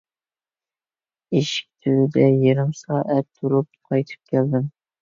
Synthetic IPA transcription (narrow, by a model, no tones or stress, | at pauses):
eʃi̥k̚ʲt̪ʰyzɪd̪ɛjeɾɪmsɑːʔæt̪ʰːuɾup̚qʰɑjt̪ʰɨ̥p̚kʲʰæld̪ɪm